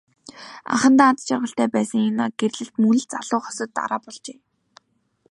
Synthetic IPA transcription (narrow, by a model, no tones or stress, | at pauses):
a̰χə̆nt̪aːt͡s̪t͡ɕʰarʁə̆ɬt̪æːpæːsə̆ŋenaːɡerɮɘ̆ɬt̪munɘ̆ɮt͡saɮʊːχɔ̥sɞ̆t̪ːa̰ɾaːpɔɮt͡ɕeː